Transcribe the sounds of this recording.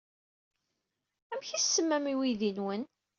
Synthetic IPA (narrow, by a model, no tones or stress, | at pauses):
æmçisːəmːæmiwiðinwən